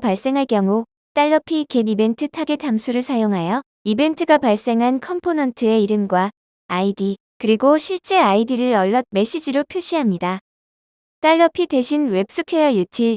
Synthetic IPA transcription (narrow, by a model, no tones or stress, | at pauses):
paɭs͈e̞ŋɦaɭk͈jʌŋu | t͈aɭːʌpʰikenibe̞ntʰɯtʰaɡetʰamsʰuɾɯɭsʰajoŋɦajʌ | ibe̞ntʰɯɡapaɭs͈e̞ŋɦankʰʌmpʰonʌntʰɯe̞iɾɯmɡwaː | idi | kɯɾiɡoɕʰiɭt͡ɕ͈e̞aidiɾɯɾʌɭːʌt̚me̞ɕ͈id͡ʑiɾopʰjoɕ͈ʰiɦamɲida | t͈aɭːʌpʰide̞ɕʰinwe̞p̚s͈ɯkʰejʌjutʰiɭ